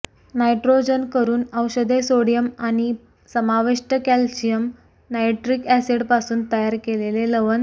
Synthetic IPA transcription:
najʈɾod͡ʑənkəɾuːnəwɕəd̪esoɽijəmaɽ̃i | səmaʋiʂʈəkælɕijəm | najʈɾikæseɽpasuːnt̪əjaɾkeleleləʋən

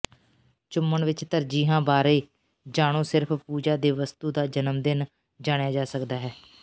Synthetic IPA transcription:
t͡ʃʊmːəɳʋɪt͡ʃt̪əɾd͡ʒiːɦãːbaːɾeː | d͡ʒaːɽ̃õːsɪɾpʰpuːd͡ʒaːd̪eːʋəst̪uːd̪aːd͡ʒənəmd̪ɪn | d͡ʒaːɽ̃jaːd͡ʒaːsəkd̪aːɦɛː

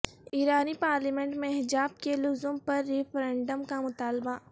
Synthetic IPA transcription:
iɾaːnipaːɾlimẽɳʈmẽɦɪd͡ʒaːb̚kelʊzʊmpɐɾːɪpʰɾẽːɳɖəmkamʊt̪aːlba

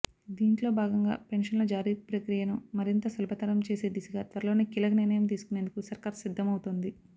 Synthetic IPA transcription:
d̪iːɳʈlo̞ːbʱaːɡɐŋɡa̰ːpe̞ɳʃɐnloːd͡ʒaːɾiːpɾɐkɾijɐnumɐɾint̪ɐsɐlbʱɐt̪ɐɾɐmt͡ʃe̞ːse̞ːd̪isuɡaːt̪ʋɐɾɐlo̞ːneːkilɐkɐniɾnɐjɐmt̪̬iːsu̥kune̞ːnd̪ukusɐɾkaːɾsid̪ʱːɐmɐwut̪oːnd̪i

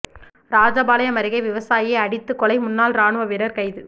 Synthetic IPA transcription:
ɾaːd͡ʒɐbaːlɐjɐmɐɾɪɣɐɪʋɪʋɐsaːjɪɐɪɐɽɪt̪ːɯkːɔlɐɪmʊnːaːlɾaːɳɯʋɐʋɪɾɐɾkɐɪðɯ

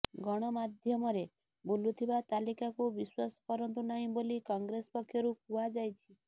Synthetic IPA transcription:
ɡɔɽ̃ɔmad̪ʱjɔmɔɾe | bulut̪ʰibat̪alikakubiswasɔ̥pɔɾɔnt̪̬unaɦĩbolikɔŋɡɾespɔkʰːjɔɾupuad͡ʒajt͡ʃʰi̥

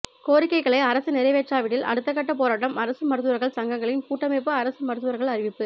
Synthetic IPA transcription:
koːɾɪkːɐɪɣɐɭɐɪɐɾɐsɯnɪɾɐɪʋeːʈraːʋɪɽɪlʔɐ̰ɽɯt̪ːɐk̬ːɐʈːɐpoːɾaːʈːɐmɐɾɐsɯmɐɾɯt̪̬ːɯʋɐɾɣɐɭsɐŋɡɐŋɡɐɭɪnpuːʈːɐmep̬ːɯɐɾɐsɯmɐɾɯt̪ːɯʋɐɾɣɐɭɐɾɪʋɪpːɯ

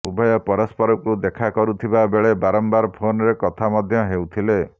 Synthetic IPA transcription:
ubɔjɔpɔɾɔspɔɾɔkud̪ekʰakɔɾut̪ʰibabeɭebaɾɔmbaɾpʰonɔɾekɔt̪ʰamɔd̪ʱjɔɦewt̪ʰile

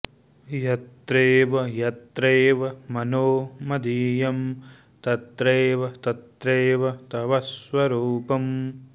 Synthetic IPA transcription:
jɐt̪ɾeːʋɐjɐt̪ɾeːʋɐmɐnoːmɐd̪iːjɐm | t̪ɐt̪ɾeːʋɐt̪ɐt̪ɾeːʋɐt̪ɐʋɐsʋɐɾuːpɐm

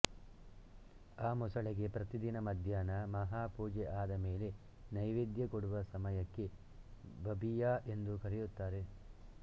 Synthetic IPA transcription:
aːmɔsɐɭiɡe̞pɾɐt̪id̪inɐmɐd̪ʱjaːnɐmɐɦaːpuːd͡ʒeʔaːd̪ɐme̞ːle̞ | nɐjʋid̪jɐkoɽuʋɐsɐmɐjɐkːe | bɐbijaːʔe̞nd̪ukɐɾijut̪ːaːɾe̞

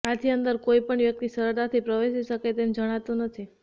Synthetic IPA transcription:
at̪ʰiənd̪əɾkoipəɳʋjək̚t̪isəɾət̪at̪ʰipɾəʋeʃiʃəket̪end͡ʒəɽ̃at̪ũnət̪ʰi

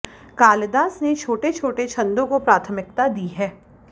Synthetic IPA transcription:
kaːld̪aːsnet͡ʃʰoːʈet͡ʃʰoːʈet͡ʃʰɐ̃nd̪õkopɾaːt̪ʰəmɪk̚t̪ad̪iɦɛː

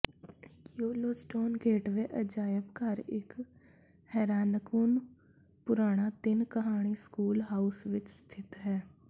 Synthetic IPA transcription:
kioːloːsʈoːnɡeːʈʋeʔəd͡ʒaːjəbkaɾek | hɛːɾaːnəkuːn | pʊɾaːɽ̃at̪ɪnkəɦaːɽ̃iskuːlɦaːʊsʋɪt͡ʃst̪ʰɪt̪ɦɛː

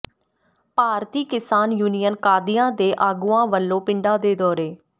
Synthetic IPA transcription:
paːɾt̪iːkɪsaːnjuːnijənkaːd̪ɪjãːd̪eːʔaːɡuːãːʋəlːõːpɪɳɖaːd̪eːd̪ɔːɾeː

